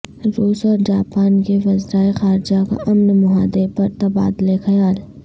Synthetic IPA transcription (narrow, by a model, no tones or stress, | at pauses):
ɾoːsɔːɾd͡ʒaːpaːnkeʋɐzɾaːexaːɾɪd͡ʒaka̰ʔɐmnmʊɦaːd̪epɐɾt̪ɐba̰ːd̪lexɐjaːl